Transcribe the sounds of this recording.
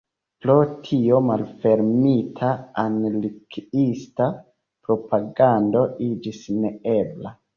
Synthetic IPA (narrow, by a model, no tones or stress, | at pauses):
pɾo̞tʰio̞malfe̞ɾmitʰaanlikista | pɾo̞paɡando̞ʔid͡ʒisneebla